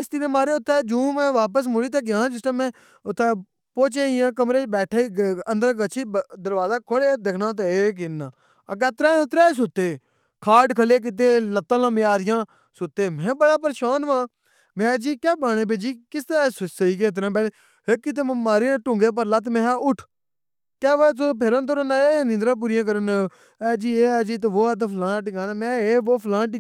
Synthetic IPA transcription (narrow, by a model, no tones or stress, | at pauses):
ɪst̪ɪnẽːmaːɾeːʊt̪ʰːeːd͡ʒũːmɛ̃ːʋaːp̬əs̬mʊɽiːt̪̬ekɪjãːd͡ʒɪstãːmɛ̃ː | ʊt̪ʰːeː | poːt͡ʃeːjãːk̬əmɾeːt͡ʃbɛːʈʰeːənd̪əɾɡət͡ʃʰiːd̪əɾʋaːzaːkʰoɽeːd̪eːkʰnãːt̪̬oeːk̬ɪnːãː | əɡɛːt̪ɾaːt̪ɾaːs̬ʊt̪ːeː | kʰaːɖkʰəleːk̬ɪt̪̬eːlət̪ːəlãːmjaːɾɪjãː | sʊt̪ːeːmɛ̃ːbəɽaːpəɾʃaːnʋãː | mɛ̃ːd͡ʒiːkɛːbaːɽ̃ẽːp̬eːd͡ʒiːkɪst̪ɾaːsʊsəiːk̬eːt̪̬əɾãːpɛːleː | ɦeːkːɪt̪̬eːmə̃maːɾiːnẽːʈʊ̃ːŋɡeːp̬əɾlaːt̪mɛ̃ːaːʊʈʰ | kɛːʋaːt͡soːp̬eːɾənt̪oːɾənaːeːnɪ̃nd̪ɾãːp̬uːɾɪjãːk̬əɾənː | ɛːd͡ʒiːeːɛːd͡ʒiːt̪eːʋoːaːt̪̬epʰlãːʈɪɡaːnaːmɛ̃ːeːʋoːpʰlãːʈ